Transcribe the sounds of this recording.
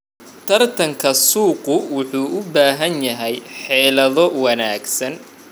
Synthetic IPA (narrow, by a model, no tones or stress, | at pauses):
t̪ʰɐrt̪ʰɐŋkʰɐsuːqʊwʊħuːʔʊbaːɦɐnjɐɦɛjħɛːlɐðɔwɐnaːɡsɐn